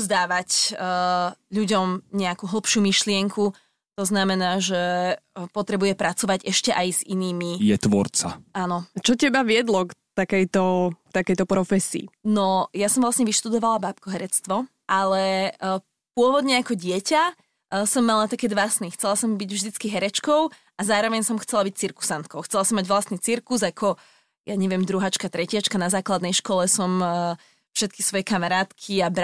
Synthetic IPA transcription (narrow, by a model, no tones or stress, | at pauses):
zd̪aːʋac | ʎuɟɔmɲɛakuːɦl̩ˠpʃuːmiʃlɪɛŋkʰu | t̪ɔznamɛnaːʒɛpɔt̪ɾɛbujɛpɾat͡sɔʋaɟɛʃcɛʔajziniːmijɛt̪ʋɔ̰ɾt͡sa̰ʔanɔt͡ʃɔcɛbaʋɪɛd̪lɔkt̪akɛjt̪ɔkt̪akɛjt̪ɔpɾɔfɛsḭːnɔjasɔmʋlˠasɲɛʋiʃt̪ud̪ɔʋalabaːpkɔɦɛɾɛt͡st̪ʋɔ | ʔalɛ | pʊɔʋɔd̪ɲɛakɔɟɪɛca | sɔmːalat̪akɛːd̪ʋasnixt͡sɛlasɔmbiɟvʒd̪it͡skiɦɛɾɛt͡ʃkɔʊ | azaːɾɔʋɛɲsɔmxt͡sɛlabic̚t͡siɾku̥sant̪̚kɔʊxt͡sɛlasɔmːaɟʋlast̪niːt͡siɾkuzakʰɔ | jʔaɲɛʋɪɛmd̪ɾuɦat͡ʃkat̪ɾɛcɪat͡ʃkanazaːklad̪nɛjʃkɔlɛsɔm | fʃɛt̪̚kisʋɔjɛkamaɾaːt̪kʰiabɾ